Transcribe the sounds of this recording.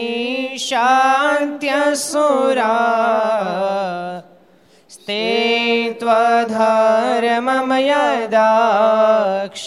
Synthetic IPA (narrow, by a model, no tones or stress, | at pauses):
ʃant̪jasuɾaː | st̪e | t̪ʋɐd̪ʱaɾɐmɐmɐjad̪a | kʃ